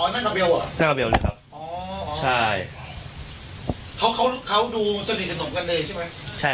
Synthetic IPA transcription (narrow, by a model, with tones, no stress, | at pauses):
ɔː˨˦nːaː˥˩a˧be˧wʔa˨˩na˥˩nka˧be˧wlɯ̰˧jkʰa˦˥p̚ʔɔː˦t͡ɕʰa˥˩j | kʰa˦˥wkʰa˦˥wkʰa˦˥wduː˧sa˧ni˨˩sa˧no˨˦mka˧nlɤː˧jt͡ɕʰa˥˩ma˦˥jt͡ɕʰa˥˩